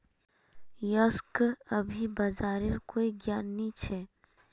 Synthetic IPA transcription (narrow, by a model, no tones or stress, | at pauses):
jɔskɐbʱibɐzaːɾɪɾkoːiɡjaːnːit͡ʃʰɛː